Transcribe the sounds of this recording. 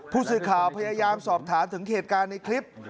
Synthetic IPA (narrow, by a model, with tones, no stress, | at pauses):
pʰuː˥˩sɯː˨˩kʰaː˨˩wpʰa˧jaː˧jaː˧msɔː˨˩p̚t̪ʰaː˩˦nt̪ʰɯ˩˦ŋheː˨˩t̪̚kaː˧nːa˧jkʰli˦˥p̚